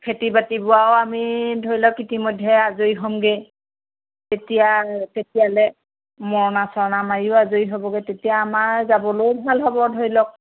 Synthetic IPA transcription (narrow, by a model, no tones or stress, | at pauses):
pʰetibatibʊwawamidʱojlɔkitimɔjdʱːɛazojɦɔmɡɛ | tetijatetijalɛ | mɔɹɔnasɔɹnamajʊazojɦɔbɔɡɛtetijaːmaɹzabɔlojbʱalɦɔbɔdʱojlɔk̚